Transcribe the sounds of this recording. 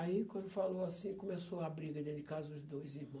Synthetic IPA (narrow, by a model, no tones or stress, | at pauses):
aikwɐ̃nd̪ʊfaloasĩkõmesoabɾiɡɐd̪ẽd̪ɪkazʊzd̪ojzihmɐ̃